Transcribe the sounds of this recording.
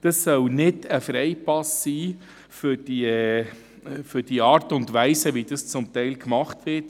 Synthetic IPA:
d̥əsːœlnɪdəfɾɛɪpɑsːiː | fʏɾd̥i | fʏd̥iɑːɾtʊntʋæɪsəʋid̥əst͡sʊmtɛɪlkmɑχtʋɪɾt

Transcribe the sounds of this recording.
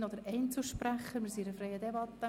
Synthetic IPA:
nod̪əɾɛɪnt͡suʃpræχːəɾmiɾsiɾəfɾɛɪəd̪ɛbɑt̪ːə

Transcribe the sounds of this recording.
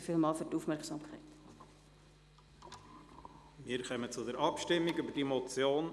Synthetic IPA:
fiːlmɑːlfyːtuːfmɛrksɑmkʰɛɪt | miːɾkœmət͡sʊdɛɾɑpʃtɪmːiɡybədimot͡sjoːn

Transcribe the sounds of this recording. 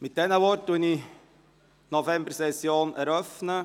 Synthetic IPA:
mɪt̚d̥ɛnəʋɔrt̚duəni | nofɛmbəɾsɛsjoːnɛɾœfnə

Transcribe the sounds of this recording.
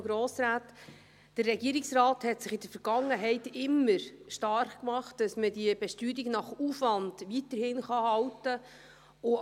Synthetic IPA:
ɡɾoːsɾaːt | d̥əɾːɛɡiəɾɪksrɑːthɛtsɪχɪd̥əfəɾɡ̥ɑŋːəɦɛɪtɪmːəɾʃtɑɾχkmɑχtd̥ɑsmədiəb̥ɛʃtyːdiɡnɑχufʋɑnd̥ʋitəɾhɪnχɑhɑwtə | ʊ

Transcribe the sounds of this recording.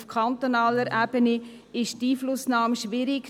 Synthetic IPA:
fkʰχant̪onɑːləɾʔæbəne | ɪʃtiːflʊsnɑːmʃʋɪɾɪk

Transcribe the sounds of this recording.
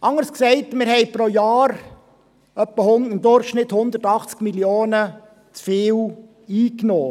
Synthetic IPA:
ʔɑŋəɾsksɛɪtmɪɾhɛɪpɾojɑːɾ | œpːəhʊnɪmd̪ʊɾχʃnɪthʊnd̪ətɑχt͡skmiljoːnə | t͡sfɪːw | iːknoː

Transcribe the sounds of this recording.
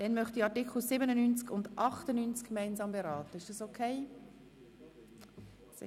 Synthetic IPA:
d̥ɛnmœχtiɑtɪkl̩sɪbənənynt͡skʊndʔɑχtənynt͡skkmaɪnzɑːmbeɾɑːtəɪʃd̥ɑsokʰeɪ | s

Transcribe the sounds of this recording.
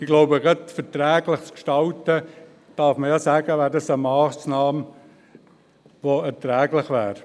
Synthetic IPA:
ɪɡ̥loʊbəɡɑdfɛtɾɛːɡlɪχt͡skʃtɑltə | d̥ɑːɾfməjɑsæːɡəʋæːɾdɑsəmɑːsnɑːm | ʋoɛɾtɾɛːɡlɪχʋæːɾ

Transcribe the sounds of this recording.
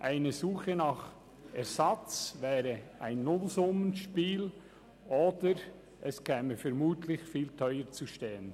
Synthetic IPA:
ʔaɪnəzuːχənɑχ | ɛɾzɑt͡svɛːɾəaɪnːʊlzʊmənʃpiːl | ʔoːd̥əɾ | ɛskʰɛːməfɛɾmuːtʰlɪçfiːltʰœʏəɾt͡suʃteːən

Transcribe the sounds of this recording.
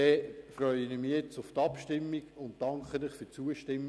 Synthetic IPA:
ɛfrœʏənɪmijɛt͡sʊftɑpʃtɪmːiɡʊnt̚d̥ɑŋkχənɪχfyt͡suəʃtɪmː

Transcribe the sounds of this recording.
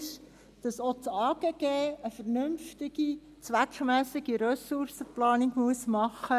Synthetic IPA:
ʃ | d̥ɑsot͡sɑːɡ̥eːɡ̥eːəfəɾnʏmftɪɡ̥i | t͡sʋækmæsɪɡ̥iɾœsursəplɑːnɪkmuəsmɑχːə

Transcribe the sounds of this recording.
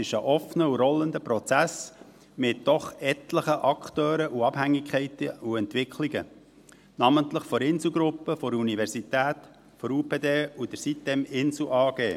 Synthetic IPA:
ɪʃəʔɔfnəuɾɔlənd̪əpɾɔt͡sæs | mɪt̚d̥ɔχɛt̪ləχəʔɑktøːɾəʔuɑb̥hæŋːikχɛɪt̪əuɛnt̪ʋɪkʰliɡə | nɑmənt̪ləχfɔɾɪnsl̩ɡɾʊpːəfɔɾunivɛɾsitæːt̪ | fɔɾuːpeːd̪eːud̥̪əɾsit̚dɛmɪns̩ʔɑːɡ̥eː

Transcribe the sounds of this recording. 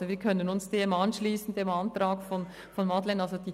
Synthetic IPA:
oʋiːɐkʰœnənʊnsd̥eːmɑnʃliːsn̩deːmɑntɾaːkfɔn | fɔnmɑtlɛnɑlsod̥iː

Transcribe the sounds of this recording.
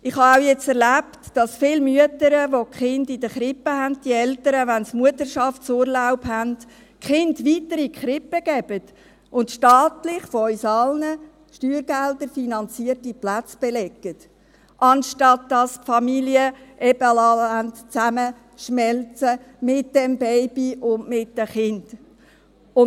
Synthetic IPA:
ɪχhɑawjɛt͡sɛɾlæptd̥ɑsfɪlmyətəɾəʋokχɪndid̥əχɾɪpːəɦænd̚d̥iɛltəɾəʋænsmuətəɾʃɑftsʊːɾlaʊpɦænd̥ | kχɪndʋitəɾikχɾɪpːəɡ̥ɛb̥ət | ʔʊntʃtɑːtlɪχfoœʏsɑlnə | ʃtyːɾɡ̥ældəɾfinɑnt͡siərtiplæt͡sb̥ɛlɛɡ̥ət | ʔɑnʃtɑtdɑspfɑmiliəʔɛb̥əlɑːhæntt͡sæmə | ʃmɛlt͡sə | mɪt̚d̥ɛmbɛɪbiʊndmɪt̚d̥əχɪnd̥ | ʊ

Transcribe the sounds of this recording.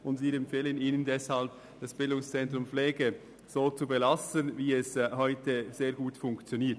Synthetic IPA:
ʊndsiːɛmfeːləniːnəndɛshalb̚ | d̥ɑsb̥ɪldʊŋst͡sɛntɾʊmpleːɡə | z̥oːt͡subɛlastənviːɛshɔʏtəz̥eːɐɡuːtfʊŋkt͡sjoniːɐt

